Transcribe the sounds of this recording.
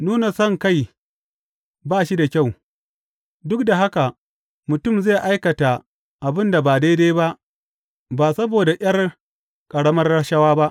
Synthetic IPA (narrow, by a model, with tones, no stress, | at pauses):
nuː˦na˨sɔ˦˨ŋka˦˨j | baː˦˨ʃi˦da˨kʲa˦˨w | dʊ˦k̚da˨ɦa˦ka˨ | mʊ˨tʊ˦˨mzeː˦˨ʔa˦jkɐ˨ta˨ | ʔa˨bɪ˦nda˨baː˨da˦jde˦ba˦ʔ | ba˨sɐ˦boː˨da˨ʔʲj̰ɐ˦r | kʼɐ˨ɽɐ˦mɐ˦rːɐ˦ʃɐ˦waː˦ba˦ʔ